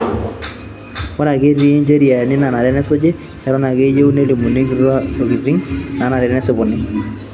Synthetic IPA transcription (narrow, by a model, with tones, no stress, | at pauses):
wɔ˦na˨ɡe˦ɾi˦ɲd͡ʒe˦ɾi˨a˨nɪ˦na˨na˨lɛ˦nɛ˦sʊ˦d͡ʒɛ˦ | ɛ˨ɾɔ˦na˨ɡe˦d͡ʒe˦u˦ne˦li˨mu˨ni˦ɡɾa˦o˨ɡi˨ɾi˦ŋna˨˦na˨lɛ˨ɾɛ˦nɛ˦sɪ˨bʊ˨nːɪ˦ŋ